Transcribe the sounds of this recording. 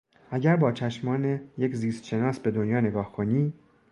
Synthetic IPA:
ʔæɟʲæɾbɒːt͡ʃʰæʃmɒːnejecziːst̪ʃe̞nɒːsbe̞d̪o̞njɒːne̞ɡɒːhkʰo̞niː

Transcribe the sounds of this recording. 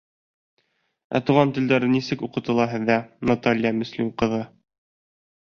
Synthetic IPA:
æ̰t̪uʁɑnt̪ɵ̆ld̪æɾɘnisɘkuqɤ̆t̪ɤ̆lˠɑɦɘðːænɐt̪alʲijamɵ̆slimqɤ̆ðɤ

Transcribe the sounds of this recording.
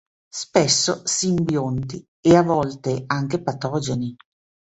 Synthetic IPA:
spesːosimbjont̪i | eavɔlt̪eaŋk̟epat̪ɔd͡ʒeni

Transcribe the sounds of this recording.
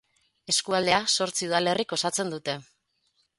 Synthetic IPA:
e̞skuald̪e̞aso̞ɾt͡siuðale̞riko̞sat͡se̞nd̪ut̪e̞

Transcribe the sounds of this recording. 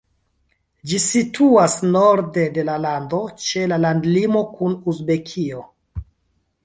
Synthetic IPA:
d͡ʒisitʰuasnoɾde̞de̞lalando̞t͡ʃe̞lalandlimo̞kunuzbe̞kʰio

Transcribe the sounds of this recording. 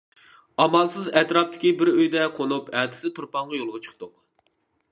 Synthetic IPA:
ɑmɑlˠsɨzɛt̪ɾɑp̚t̪ʰɪ̥kʲibɪɾøjd̪ɛqʰonupɛd̪ʰɪ̥t̪ɪt̪ʰuɾpɑɴʁɑjolˠʁɑt͡ʃʰə̥χt̪ʊq

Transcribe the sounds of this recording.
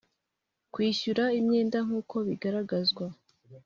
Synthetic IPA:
kwiːçuɾaimɲe̞ːndaŋ̥uːkʰo̞βiɡaɾaɡazɡwa

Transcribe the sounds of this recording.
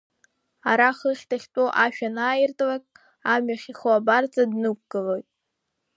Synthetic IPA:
aɾaχəχʲtʰaχʲtʼoʔaʃᶣanaːjɪrtʼlakʼ | amɥaχʲiχoabart͡sʼadnɨk̚ʷʼɡ̥ɨlojtʼ

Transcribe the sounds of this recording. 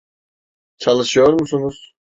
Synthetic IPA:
t͡ʃʰalˠɯʃɯjo̞ɾmusunuz̥

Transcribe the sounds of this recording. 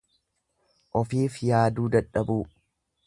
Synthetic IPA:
ʔɔfiːfjaːd̪uːd̪ɐᶑːɐbuː

